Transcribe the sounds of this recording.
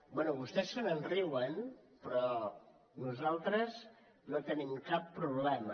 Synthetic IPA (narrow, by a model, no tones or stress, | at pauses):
bwɛnuβust̪ɛsːənənriwən | pɾɔ | nuzalˠt̪ɾəz | not̪ənimkapːɾuβlɛmə